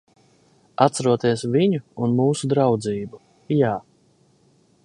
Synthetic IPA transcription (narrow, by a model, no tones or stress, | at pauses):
at̪saɾuɔt̪iɛsviɲuːnmuːsud̪ɾawd̪ziːbu | jaː